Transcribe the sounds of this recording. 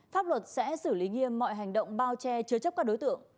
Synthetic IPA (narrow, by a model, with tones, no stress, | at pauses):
faː˦˥p̚lwə˨˩t̚sɛ̰˧˥sɨ˧˩li˨˦ŋi˧əmːɔ̰˧˨jɦa˨˩jŋɗə̰˧˨wŋ͡mɓaː˧wt͡ɕɛ˧t͡ɕɨ˧ət͡ɕp̚kaː˦˥k̚ɗo˨˦jt̪ɨ̰˧˨əŋ